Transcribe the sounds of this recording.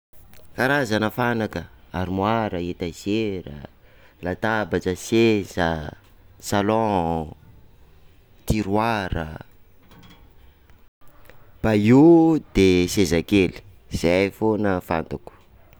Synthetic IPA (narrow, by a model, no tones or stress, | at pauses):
kaɾazanəfanakəaɾimwaɾəet̪azeɾə̰lat̪abat͡ʃəsezə | salɔ̃ | t̪iɾwaɾə̰ | b̥aud̪esezakeli̥ | z̥ajfonəfa̰nt̪aku̥